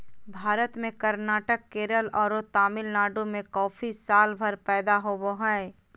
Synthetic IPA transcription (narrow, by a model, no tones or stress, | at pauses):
bʱaːɾət̪mẽkəɾnaːʈəkːeːɾəlɔːɾot̪aːmɪlnaːɖõmẽkɔːfʰisaːlbʱəɾpɛːd̪aɦoboɦae